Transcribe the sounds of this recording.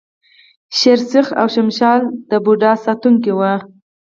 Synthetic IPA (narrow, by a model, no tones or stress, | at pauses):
ʃɪɾsɪxa̰wʃɪmʃɑld̪̥əbuɖɑsɑt̪uŋkiwa